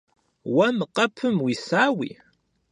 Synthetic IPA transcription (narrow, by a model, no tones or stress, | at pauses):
wæmqɐpʰːəmwisaːwḭ